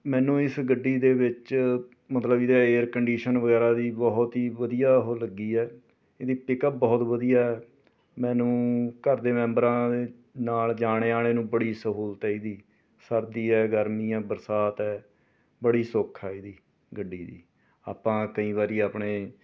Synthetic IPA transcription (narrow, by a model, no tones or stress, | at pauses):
mɛ̃ːnũːɪsɡəɖːiːd̪eːʋɪt͡ʃ | mət̪ləbɪd̪aeːəɾkəɳɖiːʃənʋəɡɛːɾaːd̪iːbɔːt̪ɦiːʋəd̪ijaːɦoːləɡiːɛː | ed̪iːpɪkəp̚bɔːt̪ʋəd̪ijaːɛː | mɛ̃ːnũːkəɾd̪eːmɛ̃ːmbɾãːd̪eː | naːld͡ʒaːɽ̃eːaːɽeːnũːbəɽiːsəɦuːlt̪aːiːd̪iː | səɾd̪iːɛːɡəɾmiːãːbəɾsaːt̪ɛː | bəɽiːsokʰaːid̪iː | ɡəɖːiːd̪ḭː | a̰ːpãːkəĩːʋaːɾiːaːpɳeː